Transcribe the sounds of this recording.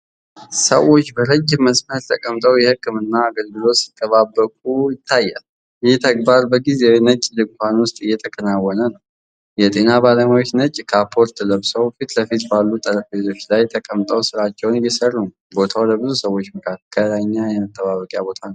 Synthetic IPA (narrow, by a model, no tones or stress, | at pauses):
səwo̞t͡ʃːbəɾəd͡ʒːməsmət̪t̪ʰəkʼəmt̪ʼəwjɛhɨkːɨmɨnːaːɡəlɡɨlo̞si̥t̪ʼːəβabːəkʼujɪt̪ʰːajːa̰l | jɛt̪ʰəɡbaɾbəɡizenət͡ʃʼlɨɡ̚kanwʊst̪ʼɨjːɛt̪ʰəkʰənawːɔnənəw | jɛt̪ʼe̞nabaləmawot͡ʃːnət͡ʃʼːkʰapʰːo̞ɾt̪ʰələβsəwfit̪ləfit̪balːut̪ʼəɾəfezo̞t͡ʃːlajt̪ʰəkʼəmt̪ʼəwsɨɾat͡ʃːɛwnjɛsərːun | bo̞t̪ʰawləbɨzusəwo̞t͡ʃːməkʰakʰːəlaɲːajɛmət̪ʼːəβaβəkʼjabo̞t̪ʰanəw